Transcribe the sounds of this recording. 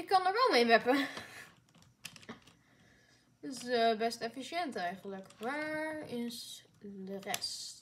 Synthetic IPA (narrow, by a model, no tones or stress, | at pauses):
ɪkːɑnəɹʋɛlˠmemɛpə | ɪsəbɛstɛfiʃjɛntɛjχənləkʋaːɹɪsdərɛst